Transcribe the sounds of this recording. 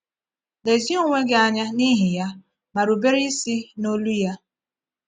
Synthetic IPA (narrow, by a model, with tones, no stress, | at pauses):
le˨zi˦o˦ŋʷe˦ɡɪ˦a˨ɲa˦ni˦ɦɪ˨ja˦ | ma˨ɾu˨be˦ɾi˦si˦no˦lu˦ja˦